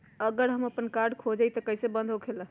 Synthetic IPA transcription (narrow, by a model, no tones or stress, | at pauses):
əɡəɾɦəməpənkaɾɖkʰod͡ʒəjt̪əkəɦjsebə̃nd̪ʱokʰelə